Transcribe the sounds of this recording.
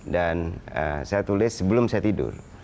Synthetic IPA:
danə̰sajat̪ulɪsːəbəlʊmsajat̪idʊ̰r

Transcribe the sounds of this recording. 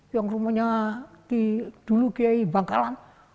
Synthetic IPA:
jaŋrumaɲat̪id̪̥ulukijaibaŋkalan

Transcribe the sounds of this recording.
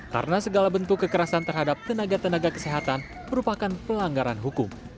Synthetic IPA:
ka̰ɾənasəɡalabənt̪ukːəkəɾasant̪ərɦadap̚t̪ənaɡat̪ənaɡakəseɦat̪an | məɾupakanpəlaŋɡaɾanɦukʊm

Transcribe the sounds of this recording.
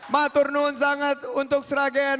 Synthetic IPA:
mat̪ʊrnʊnsaŋat̪unt̪ʊk̚səɾaɡɛn

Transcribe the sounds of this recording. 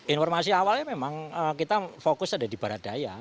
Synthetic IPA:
infɔrmas̬iawalɲamemaŋəkit̪afokʊsadadib̥a̤ɾat̪̚d̥aja

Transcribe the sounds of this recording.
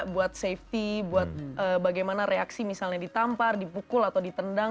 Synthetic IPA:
buat̪̚seft̪ibuat̪̚ʔəbaɡajmanaɾeaksimisalɲadit̪ampardipukʊlat̪awdit̪ənda

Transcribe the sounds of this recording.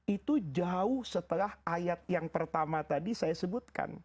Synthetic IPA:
it̪ud͡ʒauhsət̪əlahajat̪̚jaŋpərt̪amat̪adisajasəbut̪̚ka̰n

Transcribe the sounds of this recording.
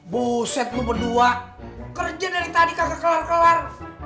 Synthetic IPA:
busɛt̪̚lubərdua | kərd͡ʒadaɾit̪adikasakləarkləar

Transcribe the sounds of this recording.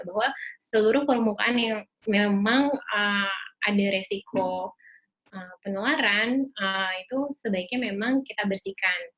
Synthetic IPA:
baɦwasəluɾʊhpərmuka̰ʔanjaŋ | memaŋəʔa̰daɾesiko | ʔəpənəlaɾanəit̪usəbaɪk̚ɲamemaŋkit̪abərsikan

